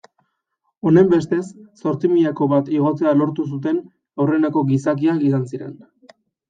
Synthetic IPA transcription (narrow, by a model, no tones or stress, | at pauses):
o̞ne̞mbe̞st̪e̞sːo̞ɾt͡simiʎako̞βat̪iɣ̞o̞t͡se̞alo̞ɾt̪us̬ut̪e̞n | awre̞nako̞ɣisak̬iakisansiɾe̞n